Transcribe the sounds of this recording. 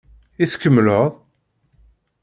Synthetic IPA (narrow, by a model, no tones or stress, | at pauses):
iθkːəmːləðˤ